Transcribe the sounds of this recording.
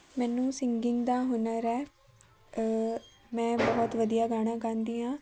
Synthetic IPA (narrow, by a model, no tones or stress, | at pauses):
mɛːnũːsɪŋɡɪŋɡd̪aːɦʊnəɾɛː | mɛ̃ːbɔːt̪ʋəd̪ijaːɡaːɽ̃ãːkəɾnd̪iːɦãː